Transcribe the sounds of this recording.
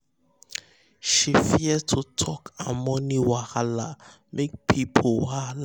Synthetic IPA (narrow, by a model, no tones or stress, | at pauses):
ʃifiɛtʰutʰɔkʰamɔniwahala | mʔek̚pʰipʰowal